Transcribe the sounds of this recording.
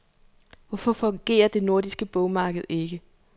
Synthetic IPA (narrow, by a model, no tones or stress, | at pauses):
ʋɒfɒ̽fɒ̽ŋɡ̥e̝̰ːɐd̥e̝no̝ɐd̥isɡ̥əb̥ɔʊmɑ̈ːɡ̥əð̞̩ˠe̝ɡ̥ə